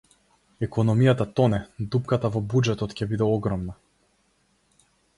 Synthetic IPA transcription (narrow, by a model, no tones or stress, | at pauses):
ɛkɔnɔmijat̪at̪ɔnɛd̪upkat̪avɔbud͡ʒɛt̪ɔt̪cʲɛbid̪ɛɔɡɾɔmna